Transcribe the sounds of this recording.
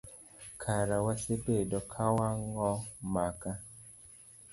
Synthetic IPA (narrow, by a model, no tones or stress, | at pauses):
kʰaɾawasebedɔkʰawaŋɔmaka